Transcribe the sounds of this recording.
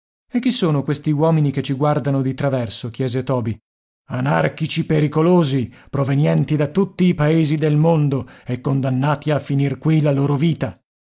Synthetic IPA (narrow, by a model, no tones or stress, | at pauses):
ek̟ːisːoːnokwest̪iwɔːminiket͡ʃːiɡward̪anod̪it̪ɾavɛrsok̟jɛːzet̪ɔːbi | ana̰rkit͡ʃipeɾikoloːzipɾovenjɛnt̪id̪at̪ːut̪ːiːpaeːzid̪elmond̪oekːond̪anːaːt̪iafːinirkwilaloːɾoviːt̪a